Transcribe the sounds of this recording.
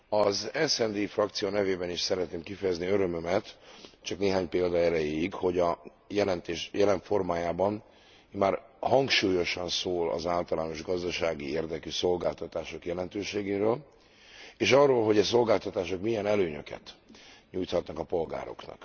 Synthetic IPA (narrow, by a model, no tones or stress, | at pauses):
ɒzɛsɛnd̪iːfrɒk̚t̪sijoːnɛveːbɛniʃsɛɾɛt̪neːmkifɛjɛzniøɾømømɛt̪t͡ʃɒkneːɦaːɲpeːld̪ɒɛɾɛjeːikho̞ɟɒ | jɛlɛnt̪eːʃjɛlɛɱfo̞rmaːjaːbɒn | maːrhɒŋkʃuːjo̞ʃɒnsoːlɒ̰zaːlt̪ɒlaːno̞ʒɡɒzd̪ɒʃaːɡieːrd̪ɛkyso̞lɡaːlt̪ɒt̪aːʃo̞kjɛlɛnt̪øːʃeːɡeːɾøːl | eːʃɒrːoːlɦo̞ɟɛso̞lɡaːlt̪ɒt̪aːʃo̞kmijɛnɛløːɲø̰kɛ̰t̪ɲuːjt̪hɒt̪nɒkɒpo̞lɡa̰ːɾo̞̰knɒ̰k